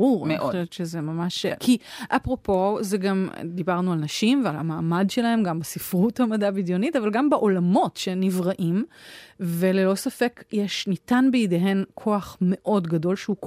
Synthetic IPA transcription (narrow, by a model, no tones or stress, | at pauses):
uʁaioojot̪t͡ʃezemamaʃkʰiʔapʁo̞po̞zeɡamd̪ibaʁnualnɐʃimvealamaːmadʃelahe̞mɡambasifʁuthamadabidjo̞nitavalɡambeʔo̞lamo̞tʃenivʁaʔim | velelo̞safe̞kjeʃnitanbeideɦe̞nkʰo̞aχme̞ʔo̞dɡado̞lʃeuk